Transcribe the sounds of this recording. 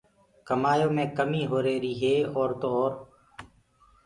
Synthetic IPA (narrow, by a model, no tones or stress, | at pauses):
kəmaːjõːmẽːkəmiːɦoːɾeːɾiːɦeːɔːɾt̪oːɔːɾ